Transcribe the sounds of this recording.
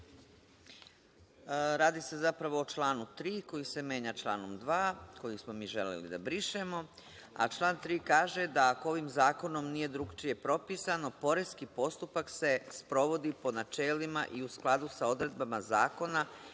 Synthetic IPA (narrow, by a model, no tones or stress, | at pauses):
ɾaːd̪ise̞zapɾaʋo̞ːt͡ʃlˠaːnut̪ɾiːkojise̞mje̞ːɲat͡ʃlˠaːno̞md̪ʋaːko̞jismo̞miːʒe̞lḛlḭd̪a̰bɾiʃemo̞ | a̰t͡ʃlˠaːnt̪ɾiːkaːʒe̞d̪aːkoo̞ʋimzaːko̞no̞mnije̞d̪ɾuɡt͡ʃije̞pɾo̞piːsano̞po̞ɾeskipo̞st̪upakse̞spɾo̞ʋo̞d̪ipo̞nat͡ʃeːlima̰ʔiusklˠad̪usao̞d̪ɾe̞d̪bamazaːko̞na